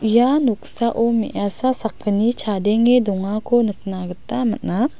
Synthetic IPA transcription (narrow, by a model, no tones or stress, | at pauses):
ijanɔksaʔɔmiʔjasasakʰːənit͡ʃʰadɛŋedɔŋakʰɔnɯkʰnaɡətamat̚na